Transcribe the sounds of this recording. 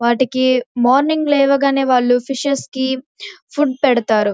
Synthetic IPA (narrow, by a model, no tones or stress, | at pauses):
ʋaːʈikimaːɾniŋɡlɛːʋɐɡaːneːʋaːɭːupʰiʂɐski | pʰuɖ̚pɛɽɐt̪aːɾu